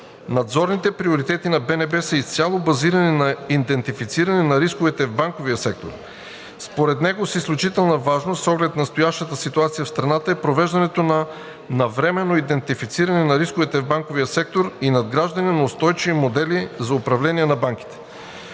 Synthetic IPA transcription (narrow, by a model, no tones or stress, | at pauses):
nɐd̪zɔɾnit̪ɛpɾioɾit̪ɛt̪inɐbɛnɛbɛsəist̪sʲjalˠobɐziɾɐninɐind̪ɛnt̪ifit̪siɾɐnɛnɐɾiskovɛt̪ɛvbaŋkovijəsɛk̚t̪o̰ɾ | spoɾɛt̪nɛɡosisklʲut͡ʃit̪ɛlˠnɐvaʒnost̪sɔɡlɛt̪nɐst̪ojaʃt̪ət̪əsit̪uat̪sijəfst̪ɾɐnat̪əɛpɾovɛʒd̪ɐnɛt̪onɐ | nɐvɾɛmɛnːoid̪ɛnt̪ifit̪siɾɐnɛnɐɾiskovɛt̪ɛvbaŋkovijəsɛk̚t̪oɾinɐd̪ɡɾaʒd̪ɐnɛnɐʊst̪ɔjt͡ʃivimod̪ɛlizɐʊpɾɐvlɛniɛnɐbaŋk̟i̥t̪ɛ̥